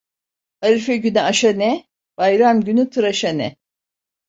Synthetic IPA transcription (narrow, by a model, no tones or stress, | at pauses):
haɾifɛɟynɛaʃanɛ | b̥ajɾamɟynyt̪ʰɯɾaʃanɛ